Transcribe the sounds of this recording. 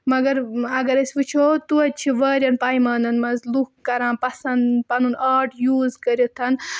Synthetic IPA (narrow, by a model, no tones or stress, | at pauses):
mɐɡɐɾɐɡɐɾɐsʲʋɨt͡ʃʰot̪uɐt̚t͡ʃʰiʋɐːɾʲɐnpaːjmaːnɐnmɐzlukːɐɾãːpɐsɐnd̪pɐnunaːʈjuːzkɐɾjot̪ʰɐn